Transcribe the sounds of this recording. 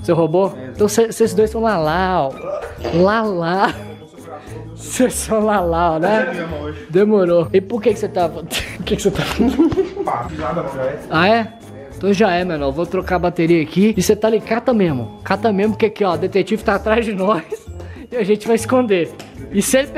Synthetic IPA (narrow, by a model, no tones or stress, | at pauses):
seɦoboẽt̪ɐ̃w̃sesesɪzd̪ojsɐ̃w̃lalaw | lala | sesɐ̃w̃lalawnɛ | d̪emoɾoipʊɾkekɪ̥set̪avɐpʊɾkekɪset̪afiaaɐaɛ | ẽt̪ɐ̃w̃ʒaɛmenɛwvot̪ɾokaɐbat̪eɾiɐːkiɪset̪aalikat̪ɐmẽzmʊkat̪ɐmẽzmpʊkeakiɔd̪et̪ek̚t͡ʃivʊt̪aːt̪ɾazd͡ʒɪnɔs | ɪaʒẽnt͡ʃɪvajɪskõnd̪eɪsɪelɪ